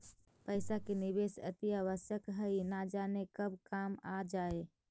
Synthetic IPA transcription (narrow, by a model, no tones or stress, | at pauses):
pəɪsakenɪʋeːsə̰t̪iaʋəsjəkɦəinad͡ʒaːnekəbkaːmad͡ʒaːeː